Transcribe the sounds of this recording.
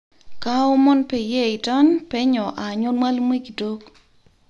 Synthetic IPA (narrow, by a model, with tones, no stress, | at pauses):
ka˦o˦mɔ˦npɛ˨je˦ɪ˨tɔ˦npɛ˦ɲɔ˨ʔa˨ɲo˦nma˦lmwe˦ki˨do˦k